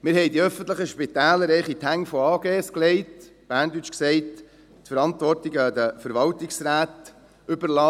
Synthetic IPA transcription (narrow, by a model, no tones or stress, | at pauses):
mɪɾɦɛɪdiœfən̩t̪ləχəʃpitæːləɾɛɪχit̪hæŋfɔɑːɡeːskleɪtb̥æːɾndyt͡ʃksɛɪt | tfəɾɑntʋɔrtiɡəd̪əfəɾʋɑltɪksɾæːt̪ | ʏbərlɑː